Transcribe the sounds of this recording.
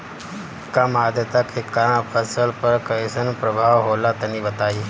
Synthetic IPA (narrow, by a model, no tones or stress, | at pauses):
kamad̪ʱjət̪akʰekːaɾ̃ãpʰəsəlpəɾkəsənpɾəbʱaʋɦolat̪əniːbət̪ai